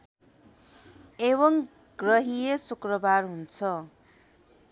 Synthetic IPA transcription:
eβʌŋ | ɡrʌɦijesukrʌbarɦunt͡sʰʌ

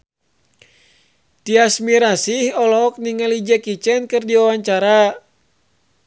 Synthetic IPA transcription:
tiasmiɾasihɔlɔk̚niŋalid͡ʒəkit͡ʃɛnkɨrdiawaɲt͡ʃaɾa

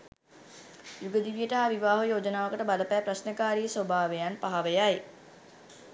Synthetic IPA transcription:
juɡəd̪iʋijəʈəɦaʋiʋaːɦəjoːd͡ʒənaːʋəkəʈəbaləpæːprasnəkaːɾijəsʋobʱaːʋejanpaɦaʋejaj

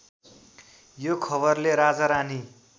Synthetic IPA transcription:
jokʰʌβʌrleɾad͡zʌɾani

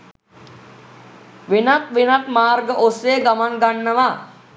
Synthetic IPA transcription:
ʋenat̪ʋenat̪maːrɡəʔoseːɡamaŋɡanːəʋa

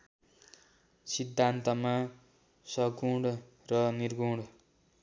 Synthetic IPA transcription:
sid̪ʱːant̪ʌma | sʌɡuɽ | rʌnirɡuɽ

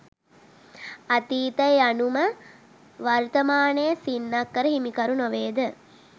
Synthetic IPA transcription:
at̪iːt̪əjanumə | ʋaɾt̪ɐmaːnejsinːakːəɾəɦimikɐɾunoʋeːd̪ə

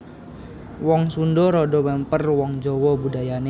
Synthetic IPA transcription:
wɔŋsundɔɾɔdɔmɛmpərwɔŋd͡ʒɔwɔbudajane

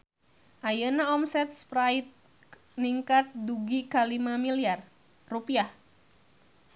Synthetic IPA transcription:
ʔajənaɔmsɛt̪̚spɾait̪̚ | niŋkat̪̚duɡikalimamiliar | rupiah

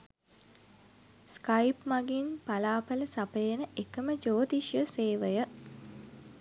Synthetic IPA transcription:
skajpmaɡinpalaːpələsapəjenəʔekəməd͡ʒoːt̪iʃjəseːʋəjə

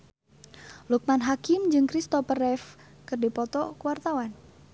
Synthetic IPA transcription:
luk̚manɦakɪmd͡ʒɨŋkɾist̪ɔpərɛf | kɨrdipɔt̪ɔkəwart̪awan

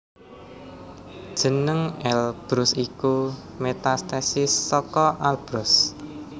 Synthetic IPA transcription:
d̥ʒ̥ə̤nəŋɛlb̥ɾʊsiku | met̪ast̪ɛsɪsːɔkɔʔalb̥ɾʊs

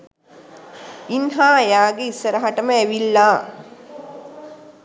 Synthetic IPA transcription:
inɦaːjaːɡeisːəɾəɦaʈəməæʋilːaː

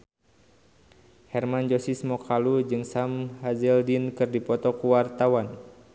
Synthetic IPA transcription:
hɛrmand͡ʒɔsismɔkalud͡ʒɨŋsamhazɛldinkɨrdipɔt̪ɔkuwart̪awan

